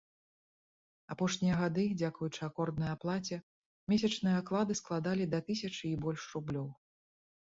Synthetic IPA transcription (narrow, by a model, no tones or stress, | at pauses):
apɔʂnʲijɐɣad̪ɨd͡zʲakujut͡ʂɨakɔrd̪nɐjaplˠat͡sʲɛ | mʲes̬ʲɐt͡ʂnɨjɐaklˠad̪ɨsklˠad̪alʲid̪ɐt̪ɨsʲɐt͡ʂɨːbɔlʲʂɾublʲɔw